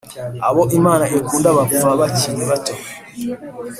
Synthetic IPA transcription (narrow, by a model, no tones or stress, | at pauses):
aβoʔimaːnaʔekuːndaβaβuβaβaciɾeβatee